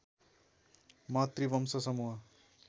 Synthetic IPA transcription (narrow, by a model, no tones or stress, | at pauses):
mat̪ribʌmsʌsʌmuɦa